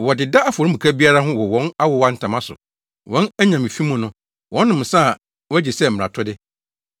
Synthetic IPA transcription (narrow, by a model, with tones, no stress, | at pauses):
wɔ˨dɪ˨da˦a˦fɔ˨ɾɪ̃˦mũ˨kʰa˦bi˦a˦ɾa˦ɦʊ̃˦wɔ˨wɔ̃˦na˦wɔ˨wa˦n̩˦tʰã˨mã˦sʊ̰˨ | wɔ̃˨˦næ˦ɲã˨mɪ̃˨fi˦mʊ̃˨nʊ̃˦ | wʔɔ̃˨˦nː˦ʊ̃˨m̩˨sa˦˨ | wɔ˦æ˦d͡ʑɪ˨sɛ˦m̩˨ã̰˨tʰɔ˦dɪ˦